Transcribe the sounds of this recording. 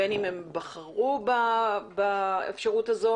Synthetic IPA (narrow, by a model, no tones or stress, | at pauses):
enimembɐχaʁubabaḛfʃaʁutazo̞